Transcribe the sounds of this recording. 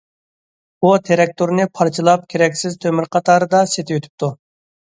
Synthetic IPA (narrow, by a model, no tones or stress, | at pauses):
ut̪ʰeɾɛk̚t̪ʰuɾnɨpʰɑɾt͡ʃʰɨlˠɑp̚kʲʰeɾɛkʲsɪzt̪ʰømyɾqʰɑt̪ʰɑːɾɨd̪ɑset̪ʰɪjøt̪ʰy̥p̚t̪ʰu